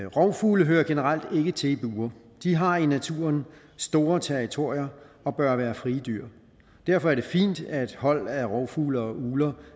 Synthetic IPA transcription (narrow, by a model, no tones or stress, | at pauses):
ʁɒʊfuːləɦøːɐɡ̥e̝nəʁal̰d̥e̝ɡ̥ət͡sʰe̝lib̥uːɐ | d̥iɦɑ̈inæt͡sʰṵːɐn | sd̥o̝ːɐt͡sʰæɐʁit͡sʰo̝ɐ̰jɐ | ɒ̽b̥ɶɐʋæːɐfʁiːd̥yɐ̰ | d̥æɐfɒ̽æɐɾ̥e̝fḭːnd̥æd̥hɒ̽l̰æʁɒʊfuːləɒʔuːlɐ